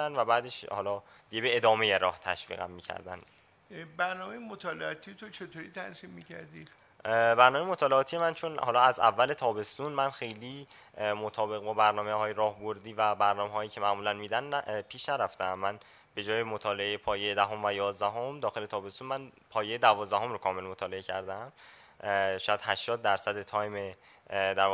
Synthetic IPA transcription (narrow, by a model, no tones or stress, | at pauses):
ænvæbæːd̪eʃhɒ̰lɒː | d̪iɟebe̞eːd̪ɒːme̞je̞ɾɒ̰ːht̪ʰæ̰ʃv̥ḭːɣæ̰mːiːcʰæ̰ɾd̪æ̰n | bæɾnɒːmejemot̪ʰɒːleɒːt̪ʰiet̪ʰot͡ʃʰet̪ʰoːɾiːt̪ʰæsiːmːicʰæɾd̪i̥ | bæɾnɒːmejemot̪ʰɒːleɒːt̪ʰije̞mænt͡ʃʰo̞nhɒːlɒːæzæ̰vːæle̞t̪ʰɒːbe̞st̪unmænxe̞jliː | mot̪ʰɒːbe̞ɣbɒbæɾnɒːmehɒːjeɾɒːhboɾd̪iːvæbæɾnɒːmeɦɒːjiːcʰe̞mæʔmuːlænmiːd̪ænpʰiːʃnæɾæft̪eæmːæn | be̞d͡ʒɒːjemot̪ʰɒːleejepʰɒːjejed̪æɦomvæjɒːzd̪æɦo̞md̪ɒːxe̞le̞t̪ʰɒːbe̞st̪unmænpʰɒːjejed̪ævɒːzd̪æɦo̞mɾokʰɒːme̞lmot̪ʰɒːle̞ecʰæɾd̪æm | ʃɒːjæd̪̥hæʃt̪ɒːd̪ːæɾsæd̪et̪ʰɒːjme | d̪æɾ